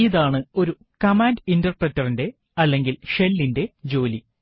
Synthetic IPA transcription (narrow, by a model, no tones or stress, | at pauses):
iðaːɳɨo̞ɾu | kɐmaːndintɐrpretːɐrinde̞ | ɐlːe̞ŋɡilʂe̞lːinde̞d͡ʑo̞ːli